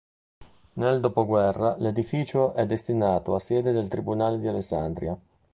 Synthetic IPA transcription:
neld̪oːpoɡwɛrːaled̪ifiːt͡ʃoʔɛd̪ːest̪inaːt̪oasɛːd̪ed̪elt̪ɾibunaːled̪ialesːa̰nd̪ɾja

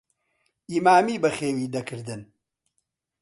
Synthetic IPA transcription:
ʔiːmaːmiːbɨxeːwiːd̪ɐkʰɨɾd̪ɨn

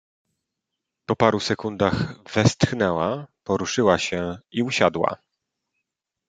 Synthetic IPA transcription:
pɔpaɾusɛkund̪axvɛst̪xnɛwapɔɾuʂɘwaɕɛiuɕad̪wa̰

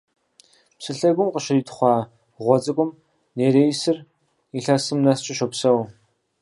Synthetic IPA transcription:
psɨɬɐɡʷʊmqəʃɪriːtʰʼχʷɑː | ʁʷɔt͡sʼɨkʷʼʊm | neːɾeːjsɨr | iɬasɨmnɐst͡ʃʼɪʃɔpsɐw

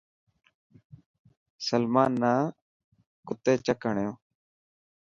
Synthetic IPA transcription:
səlmaːnːaː | kʊt̪eːt͡ʃəkəɳjõː

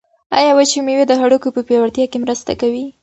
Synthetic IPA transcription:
ɑ̰jɑwat͡ʃemewed̪əxaɽukopəpjɑwaɾt̪jɑkemɾəst̪a̰kawi

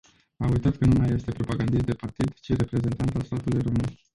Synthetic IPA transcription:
aujt̪at̪kənumajːe̞st̪e̞pɾo̞paɡand̪is̬t̪d̪e̞part̪id̪t͡ʃiɾe̞pɾe̞ze̞nt̪ant̪alst̪at̪ulujromɨn

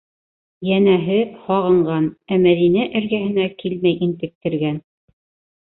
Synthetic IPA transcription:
jænæɦɘhɑʁɤ̆ɴɢɑnæmæðinæʔɘ̆ɾɡæhɘ̆nækilmæjʔint̪ɘ̆k̚t̪ɘ̆ɾɡæn

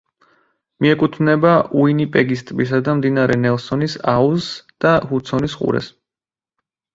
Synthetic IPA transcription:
miɛkʼut̪ʰvnɛbaʔuinipʼɛɡist̪ʼbisad̪amd̪inaɾɛnɛlˠsɔnisausd̪̥ahut̪sʰɔnisχʼṵɾɛ̰s

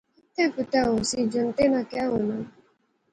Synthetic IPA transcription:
takʊtaɦʊsid͡ʒɔn̩tenakɪaɦʊna

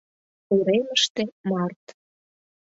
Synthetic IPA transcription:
uɾeməʃt̪emɑrt̪

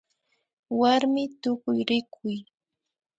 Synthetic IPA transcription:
waɾmɪt̪ʊkʊjɾɪkʰʊj

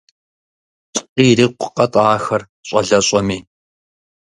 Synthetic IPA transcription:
tʼqiːɾiːqʷʊ̥qɐtʼaːxɐr | ɕʼɐɮɐɕʼɐmiː

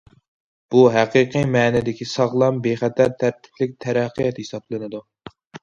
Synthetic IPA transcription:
b̥uɦæqiqʰimɛːnɪd̪ɪkʲisɑʁlˠɑmbeχɛt̪ʰæɾt̪ʰæɾt̪ʰɪ̥plɪk̚ʲt̪ʰɛɾæqʰːɨjɛt̪hesɑblˠɨnɨd̪u

